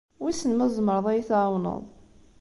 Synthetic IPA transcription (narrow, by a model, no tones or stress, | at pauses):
wisənməzˤməɾˤəðˤæjθʕawnə̰ðˤ